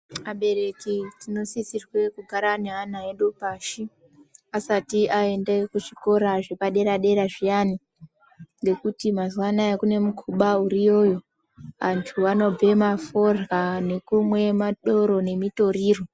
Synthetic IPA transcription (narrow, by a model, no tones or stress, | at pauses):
aɓe̞ɾe̞kitino̞sisirwe̞kuɡʱaɾaneɦan̤aeɗopaʃi | asatiʔae̞ndekuʐiko̞ɾaʐe̞paɗe̞ɾaɗe̞ɾaʐijani | ŋɡe̞kutimazwanajekune̞mukʰuɓauɾijo̞jo̞ | ʋantʰuano̞b͡ve̞mafo̞rɣane̞kumwe̞maɗo̞ɾo̞ne̞mito̞ɾiːro̞